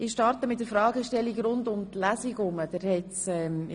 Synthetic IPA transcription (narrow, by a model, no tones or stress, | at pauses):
ɪʃtɑɾtəmɪt̚dəɾfɾɑːɡəʃtɛlːikɾʊndʊmtlæsiɡʊməd̥ɛɾhɛtsɛm